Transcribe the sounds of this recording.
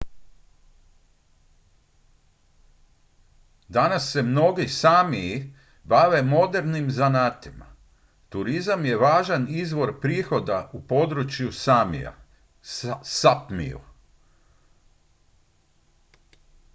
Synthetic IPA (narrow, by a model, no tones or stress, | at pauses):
d̪anasːe̞mno̞ɡisamiː | baʋe̞mo̞d̪e̞ɾnimzanaːt̪ima̰ | t̪uɾizamje̞ʋaːʒanizʋo̞ɾpɾiːxo̞d̪aupo̞d̪ɾut͡ʃjusamḭa̰ | sapmḭṵ